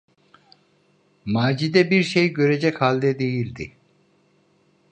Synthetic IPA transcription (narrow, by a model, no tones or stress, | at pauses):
maːd͡ʒid̪ɛbiɾʃejɟø̞ɾed͡ʒɛchalʲd̪ɛd̪e̞jilʲd̪i